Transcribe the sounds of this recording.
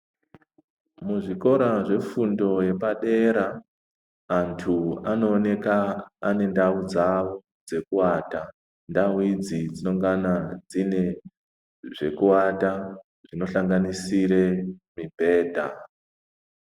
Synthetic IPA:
muʐiko̞ɾaʐe̞fundo̞je̞paɗe̞ɾaː | ntʰuano̞ːne̞kaːne̞ndaud͡zawo | d͡ze̞kuwaːta | ndawid͡zid͡zino̞ŋɡanad͡zine̞ | ʐe̞̰kuwata | ʐino̞ɬaŋɡanisiɾemibʱe̞ːdʱa̰

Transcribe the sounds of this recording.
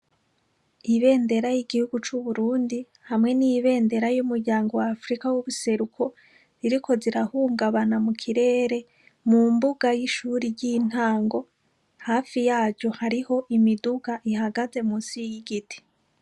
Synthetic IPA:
iβe̞ːnde̞ɾajiɡihuɡut͡ʃuβuɾuːndi | hamŋe̞nijiβe̞ːnde̞ɾajumuɾɟaːŋɡo̞wafɾikawuβuse̞ɾukʰo̞ | ziɾiko̞ziɾahuːŋɡaβanamukʰiɾe̞ːɾe̞ | mumbuɡajiʃuːɾiɟin̥haːŋɡo̞ | haːfijaːɟohaɾiho̞ʔimiduɡaʔihaɡaze̞musijiɡitʰi̥

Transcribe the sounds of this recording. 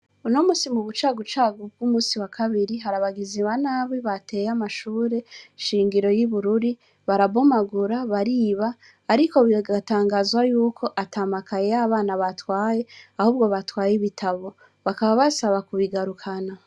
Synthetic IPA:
unomuːsimuβut͡ʃaːɡut͡ʃaːɡub̚ɡumuːsiwakʰaβiɾiɦaɾaβaɡiziβanaːβiβate̞jamaʃuːɾe̞ʃiːŋɡiɾo̞jiβuɾuɾi | βaɾaβo̞maɡuɾaβaɾiːβaː | ɾiko̞βiɡataːŋɡazwajuːkʰo̞ʔatamakʰajejaβaːnaβatwaːjeahuːβɡo̞βatwaːjiβitʰaβo̞ | βakaβaβasaβakuβiɡaɾukʰana

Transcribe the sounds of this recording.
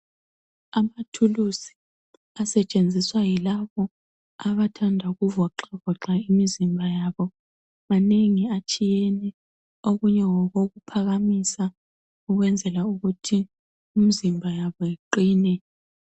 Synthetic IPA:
amatʰulusi̥ | asɛt͡ʃʼend͡zʱiswajilaβɔ | aβatʰandʱaɣuvɔǁavɔǁaimizimbʱajaːβɔ | maneŋiat͡ʃʼijɛnɛ | oɣuɲɛŋɔɣoɣupʰaɣamisa | uɣwɛnd͡zʱɛlauɣutʰi | um̩zimbʱajaβɔjeǃiːnɛ

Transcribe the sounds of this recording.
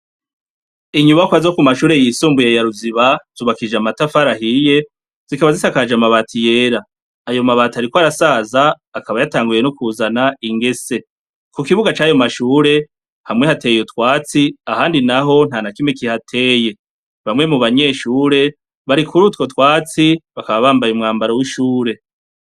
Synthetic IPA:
iɲuβakwazo̞kumaʃuːɾe̞jisuːmbujejaɾuziβaz̥uːβakid͡ʒamatafaɾahije̞ | z̥ikaβazisakad͡ʒamaβaːtʰije̞ːɾaː | jo̞maβaːtaɾikwoaɾasaːzaː | kaβajataːŋɡuje̞nukuzanaiŋɡe̞se̞ | kukiβuɡat͡ʃaːjo̞maʃuːɾe̞ | hamŋe̞hate̞ːjotwaːt͡siahaːndinaɦo̞n̥hanakimekihatʰe̞ːje̞ | βamŋe̞muβaɲe̞ːʃuːɾe̞ | βaɾikuɾutko̞twaːt͡siβakaβaβaːmbajumŋaːmbaɾowiʃuːɾe̞

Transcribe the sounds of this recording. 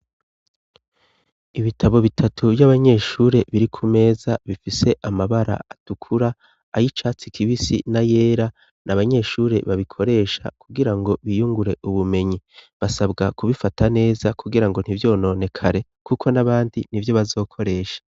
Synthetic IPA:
iβitʰaβo̞βitʰatʰuvjaβaɲe̞ʃuːɾe̞βiɾikʰume̞ːzaβifise̞ʔamaβaɾa̰atukʰuɾaː | jit͡ʃaːt͡sikʰiβisḭnaje̞ːɾa | naβaɲe̞ʃuːɾe̞̰βaβikʰo̞ɾe̞ʃa̰kʰuɡiɾaŋɡo̞βijuŋɡuɾe̞ʔuβume̞ɲiβasabɡakuβifatʰane̞ːzakʰuɡiɾaŋɡo̞n̥ivjo̞ːno̞ːne̞kʰaɾe̞ | kukʰo̞naβaːndinivjo̞βazo̞ːkʰo̞ɾe̞ːʃḁ

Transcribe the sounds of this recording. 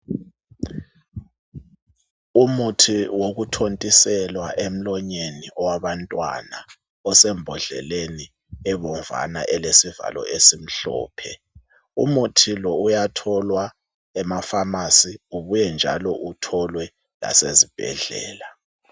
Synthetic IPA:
umutʰiwoɣutʰontʼisɛlwaʔem̩lɔɲeniʔɔwaβantʼwa̰na | ɔsɛmbʱɔɮɛ̰leni | ɛβɔɱva̰na̰ʔɛlesiva̰lɔ̰esim̩ɬɔ̰ːpʰɛ | ṵmutʰilɔujatʰɔlwa | ɛmafamasiuβujɛnd͡ʒʱa̰lɔʔutʰɔlwɛ | la̰sezib̥ʱɛ̰ɮɛ̰ːla

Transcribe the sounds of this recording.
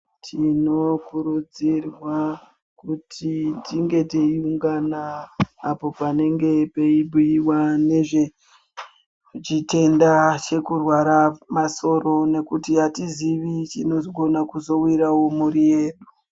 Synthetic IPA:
tʰino̞kuɾud͡zirwa | kutʰitiŋɡe̞teiuŋɡanaː | po̞pane̞ŋɡe̞peibʱujiwane̞ʐe̞ | t͡ʃite̞ndat͡ʃe̞kurwaɾamaso̞ɾo̞ne̞kutiatiziʋit͡ʃino̞zɡʱo̞nakuzo̞wiɾawo̞muɾije̞ːɗu

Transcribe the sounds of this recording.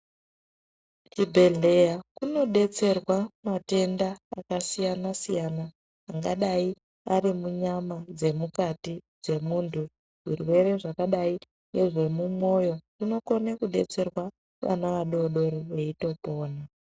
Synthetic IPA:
t͡ʃibʱe̞ɮe̞jakuno̞ɗe̞t͡se̞rwamate̞ndaːkasijanasijanaː | ŋɡaɗai | arimuɲamad͡ze̞mukatid͡ze̞muːntʰu | ʐiruwe̞ɾe̞ʐakaɗai | ne̞ʐe̞mumo̞jo̞rino̞ko̞nekuɗe̞t͡se̞rwa | ʋa̰naʋaɗo̞ɗo̞ɾeʋe̞ito̞po̞ːna

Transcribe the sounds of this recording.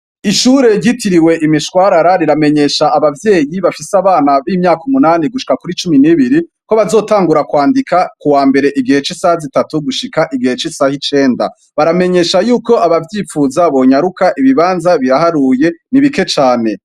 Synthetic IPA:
iʃuːɾe̞ɾɟitiɾiwe̞ʔimiʃwaːɾaɾaɾiɾame̞ɲe̞ʃaʔːβavje̞ːjiβafisaβaːnaβimɲaːkumunaːniɡuʃi̥kakuɾit͡ʃuminiβiɾi | ko̞βazo̞ːtaːŋɡuɾakwaːndikakuwaːmbe̞ɾe̞ʔiɡihe̞t͡ʃisahzitatuɡuʃikaʔiɡihe̞t͡ʃisaːhit͡ʃe̞ːnda̰ | βaɾame̞ɲe̞ʃajuːko̞ʔaβavjiːfuːzaβo̞ɲaɾukaʔiβiβaːnzaβiɾahaɾuːje̞niβike̞t͡ʃaːne̞

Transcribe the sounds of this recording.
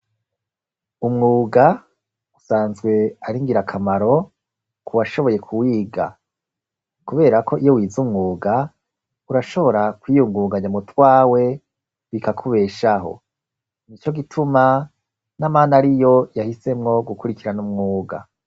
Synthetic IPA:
umŋuːɡa | usaːnzɡwe̞aɾiŋɡiɾakʰamaɾo̞ | kʰuwaʃo̞βo̞je̞kʰuwiːɡa̰ | kuβe̞ːɾakʰo̞ʔijowiːzumŋuːɡa | uɾaʃo̞βo̞ɾakwijuŋɡuːɡaɲamutwaːwe̞ | βikakʰuβe̞ːʃaɦo̰ | nit͡ʃo̞ɡitʰuma | namaːnaɾijo̞jahise̞mŋo̞ɡukuɾikiɾanumŋuːɡa̰

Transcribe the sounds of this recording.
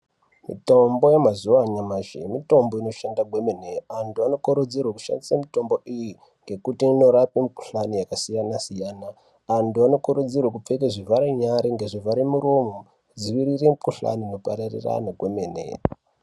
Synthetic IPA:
mḭto̞mbo̞jemazuaɲamaʒḛmito̞mboino̞ʃandaɡwe̞me̞neantuano̞koɾud͡zirwaku̥ʃa̰ndisamito̞mbo̞ʔiji | ŋɡe̞kutiːno̞ɾapemiku̥ɬanijakasijanasijaːnaː | ntuano̞kuɾud͡zirwak̬up͡fek̬eʐivʱaɾeɲaɾiŋɡe̞ʐivaɾemuɾomo | d͡ziʋiɾiremikuɬa̰nino̞paɾarḭra̰naɡʱweme̞nḛ

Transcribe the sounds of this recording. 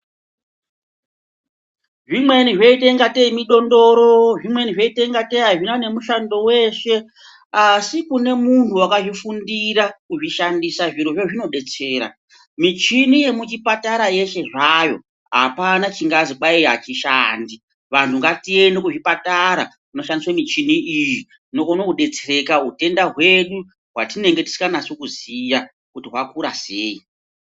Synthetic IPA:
ʐimwe̞niʐeiteiŋɡateimiɗo̞ndo̞ɾo̞ʐimwe̞niʐeiteiŋɡateiɦaʐinane̞muʃando̞we̞ʃe̞ | asikune̞mun̤uwakaʐifundiɾakuʐiʃandisaʐiɾo̞ʐeʐino̞ɗe̞t͡se̞ːɾa̰ | mit͡ʃinije̞mut͡ʃipataɾaje̞ʃe̞ʐajo̞̰ | ɦapanat͡ʃiŋɡaziɓaiɦat͡ʃiʃaːndi | ʋantʰuŋɡatie̞nokuʐipataɾa | uno̞ʃandiswamit͡ʃiniiji | inokonokuɗe̞t͡sere̞kaɦute̞ndaɦwe̞ɗu | ɦwatine̞ŋɡe̞ti̥si̥kanasokuzija | kutiɦwakuɾa̰seːi

